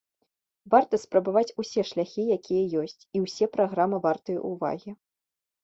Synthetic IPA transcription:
vart̪ɐspɾɐbavat͡sʲusʲɛʂlʲaxʲijakʲijɐjɔsʲt͡sʲiwsʲɛpɾaɣɾamɨvart̪ɨjɐ̰ʔuva̰ɣʲi

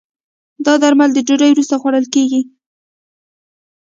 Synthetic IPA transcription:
d̪ɑd̪aɾmald̪əd͡ʒeɾəjwɾust̪axwaɽəlkeɡi

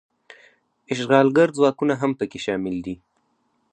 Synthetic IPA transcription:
ɪʃɣɑlɡaɾzwɑkunaɦampəkeʃɑmɪld̪i

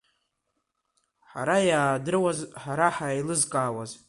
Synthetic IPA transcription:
ħaɾajaːdɨrwazħaɾaħajlɨzkʼaːwaz

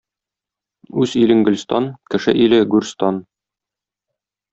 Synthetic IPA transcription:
ʉzilɘ̆ŋɡɘ̆lʲst̪ɑnkɘ̆ʃɘʔilɘɡʉɾst̪ɑn

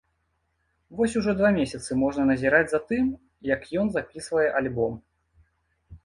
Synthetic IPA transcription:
vɔsʲuʐɔd̪vamʲesʲɐt̪sɨmɔʐnɐnɐzʲiɾad͡zʲzat̪ɨm | jɐkjɔnzapʲisvɐjɛʔalʲbɔm

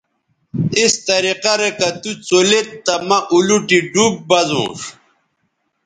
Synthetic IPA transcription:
ist̪ɐɾiqɐɾekɐt̪ut͡solet̪ːɐmɐʔuluʈiɖub̚bɐzṵ̃ːʂ

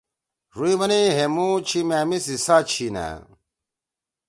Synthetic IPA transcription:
ɾuiʋɐniɦemut͡ɕʰimaːmisisaːt͡ɕʰina̰

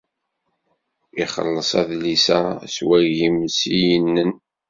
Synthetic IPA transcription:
iχə̰lːəsˤæðlisæswæʝimsijənːən

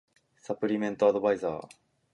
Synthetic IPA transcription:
sapɯ̟ɾʲimẽ̞nt̪oad̪o̞baiza̰ː

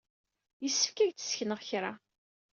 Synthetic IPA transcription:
jəsːəfkæʝt͡sə̥sçnəʁçɾa

